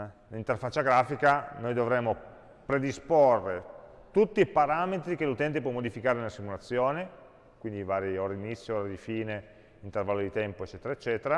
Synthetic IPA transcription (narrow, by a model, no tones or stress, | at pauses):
lint̪erfat͡ʃːaɡɾaːfikanojd̪ovɾɛmːo | pɾed̪isporːe | t̪ut̪ːiipaɾaːmet̪ɾikelut̪ɛnt̪̬epwɔmːod̪ifikaːɾenelasːimulat̪sːjoːne | kwind̪ivaːɾioːɾad̪init̪sːjooːɾad̪ifiːne | int̪ervalːod̪it̪ɛmpoet͡ʃːɛːt̪eɾaet͡ʃːɛːt̪eɾa